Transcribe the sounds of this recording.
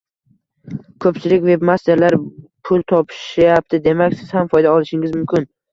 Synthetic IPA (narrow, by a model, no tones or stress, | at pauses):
kʰɵpt͡ʃʰɪlɪkʲve̞bmast̪ʰe̞ɾlaɾpʰʊlˠt̪ʰɒpʰɪ̥ʃajap̚t̪ʰɪd̪e̞makʲsɪz̥hamfɒjd̪aɒlˠɪʃɪŋɪzmʊmkʲɪn